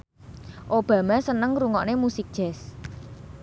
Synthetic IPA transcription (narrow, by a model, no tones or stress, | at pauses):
ʔob̥ä̤masənəŋɾuŋɔʔnemusik̚dʒ̥ɛ̤s